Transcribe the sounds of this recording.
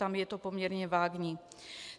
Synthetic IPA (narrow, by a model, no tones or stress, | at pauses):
amjɛt̪opomɲɛɾɲɛvaːɡɲi